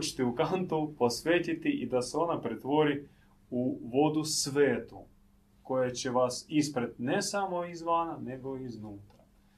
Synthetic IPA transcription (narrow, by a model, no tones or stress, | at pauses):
t͡ʃe̥t̪iukant̪oupo̞sʋe̞ːt̪it̪iʔid̪aseo̞napɾet̪ʋo̞ɾi | uʋo̞d̪usʋeːt̪u | ko̞jat͡ɕeʋasispɾet̪̚ne̞samo̞izʋanane̞ɡo̞iznuːt̪ɾa